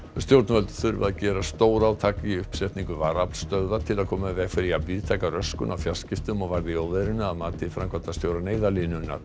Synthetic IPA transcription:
st̪jowɾt̪nvœlt̪θʏɾvaðcɛːɾast̪oːwɾaːwt̪ʰaːkɪiʏhpsɛht̪niŋkʏvaːɾaplst̪œðat̪ʰɪlaðkʰɔːmavɛɣfɪɾɪapviːðt̪ʰaːjkarœskʏ̰nawfjal̥scɪft̪ʏmɔɣvaɾðɪowðɛɾɪnʏaðmaːt̪ɪfɾaŋkʰvat̪ast̪jowɾaneːjðalɪnʏnːa̰ɾ̥

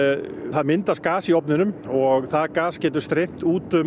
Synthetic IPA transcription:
θaðmɪnt̪askaːsiɔpnɪnʏmɔɣθaðkaːscɛːt̪̬ʏɾ̥st̪ɾejm̥t̪uːt̪ʏ

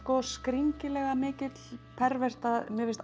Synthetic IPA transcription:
kɔskɾiŋcɪlɛɣamɪːcɪt̪lpʰɛɾvɛr̥t̪aðmɪvɪst̪

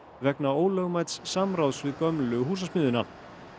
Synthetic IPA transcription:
vɛknaoːwlœɣmajt̪sːamɾawsvɪðkœmlʏɦuːs̬asmɪːðʏna

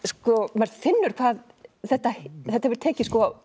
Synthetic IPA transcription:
skɔmaɾfɪnːʏɾ̥kʰvaːð | θɛht̪ːaθɛht̪aɛvɪɾ̥t̪ʰɛːcɪskɔaw

